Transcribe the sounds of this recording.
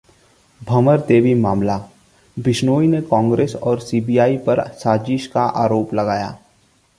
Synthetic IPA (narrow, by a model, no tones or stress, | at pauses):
bʱɐməɾt̪eːʋimaːmla | bɪʃnoːinekɔ̃ːŋɡɾeːsɔːɾsiːbijaːipɐɾsaːd͡ʒɪʃkaʔa̰ːɾoːplɐɡaːja̰ː